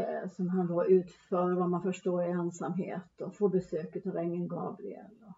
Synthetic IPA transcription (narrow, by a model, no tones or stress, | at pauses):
sɔmɦand̪ɑʔʉ̟ːt̪fœːɾvamanfœʂʈoːɾɪɛnsamɦḛːt̪ɔfoːbɛsøːkət̪ɑɾɛŋːənɡɑ̰ːbɾɪ̰ɛ̰lɔ